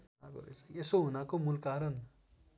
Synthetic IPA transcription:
aɡo̰ɾḛsesoɦunakomulkaɾʌn

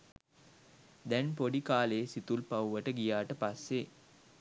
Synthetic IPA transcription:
d̪ɛnpoɖikaːleːsit̪ulpauʋɐʈəɡijaːʈəpasːe

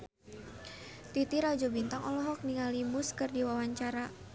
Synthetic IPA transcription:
t̪it̪iɾad͡ʒɔbint̪aŋɔlɔɦɔk̚niŋalimuskɨrdiwawaɲt͡ʃaɾa

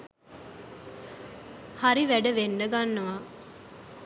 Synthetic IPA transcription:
haɾiʋæɖəʋenɖəɡanːɐʋa

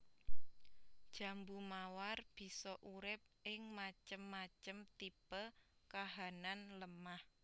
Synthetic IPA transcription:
d̥ʒ̥ä̤mbumawarb̥i̤sɔʔuɾɪp̚ʔɪŋmat͡ʃəmːat͡ʃəmt̪ipəlkaɦananləmah

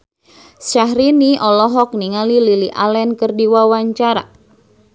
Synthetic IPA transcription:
saɦɾiniʔɔlɔɦɔk̚niŋalililiʔalɛnkərdiwawaɲt͡ʃaɾa̰

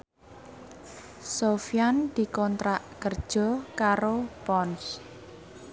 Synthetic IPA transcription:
sofiand̪̥i̤kɔnt̪ɾaʔkərd̥ʒ̥ɔ̤kaɾopɔns

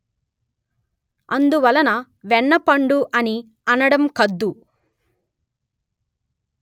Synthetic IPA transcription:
ɐnd̪uʋɐlɐnɐ | ʋɛɳːɐpɐɳɖuʔɐni | ɐnɐɽɐmkɐd̪ːu

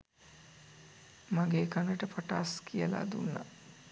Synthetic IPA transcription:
maɡeːkanəʈəpaʈaːskʰijəla̰d̪unːa̰

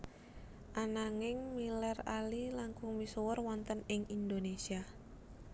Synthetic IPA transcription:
ʔanaŋɪŋmilɛralilaŋkʊŋmisowərwɔnt̪ənɪŋindonesia

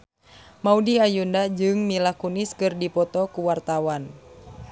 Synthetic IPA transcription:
maudiajundad͡ʒɨŋmilakuniskɨrdipɔt̪ɔkuwart̪awan

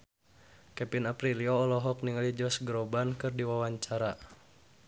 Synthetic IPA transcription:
kɛpinapɾiliɔːlɔɦɔk̚niŋalid͡ʒɔsɡɾɔbankɨrdiwawaɲt͡ʃaɾa

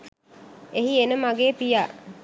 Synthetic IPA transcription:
eɦienəmaɡeːpijaː

